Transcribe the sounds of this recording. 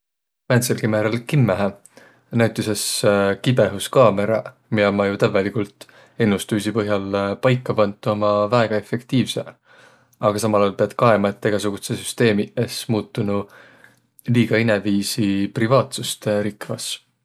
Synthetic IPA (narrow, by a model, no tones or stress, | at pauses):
mænt̪selkimæɾɑlkimːæɦæ | næwt̪ːˑise̞skibe̞ɦuskɑːme̞ɾɑ̰ | miɑmɑjut̪ævelikult̪ˑ | e̞nːust̪ujsipɤɦjɑlpɑjkˑːɑpɑnt̪ːˑuomɑvæeɡ̥ɑe̞fe̞kt̪iːvse̞̰ | ɑɡ̥ɑsɑmɑlɑjɑlpeɑd̪̥̚kɑemɑet̪ːeɡ̥ɑsuɡ̥usesyst̪e̞ːmiesmuːt̪ːˑunu | liːɡ̥ɑinɛviːsiprivɑːt̪sust̪eɾikvɑs